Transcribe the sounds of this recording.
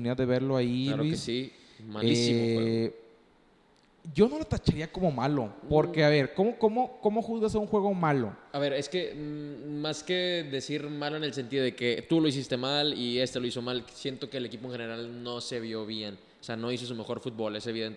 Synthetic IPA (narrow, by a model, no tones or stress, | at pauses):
niðaððe̞βe̞ɾloailalwissi | malieimo | ɟ͡ʝo̞no̞lot̪at͡ʃaɾiako̞mo̞malo̞̰po̞ɾkke̞aβe̞ɾko̞moko̞mo̞ko̞mo̞xuzɣas̬euŋxwe̞ɣ̞o̞malo̞̰aβe̞ɾe̞ske̞ | maske̞ðe̞siɾmalo̞ene̞ls̬ent̪iðoðeke̞t̪ulo̞is̬ist̪e̞malie̞st̪elo̞iso̞malsje̞nt̪o̞ke̞ːlekipoe̞nxe̞ne̞ɾalno̞se̞βjo̞βje̞n | oseano̞is̬os̬ume̞xo̞ɾfut̪̚bo̞le̞se̞βiðent̪e